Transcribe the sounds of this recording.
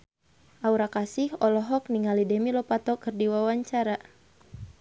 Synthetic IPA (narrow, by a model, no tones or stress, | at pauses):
ʔauɾakasihɔlɔɦɔk̚niŋalidɛmilɔpat̪ɔkɨrdiwawaɲt͡ʃaɾa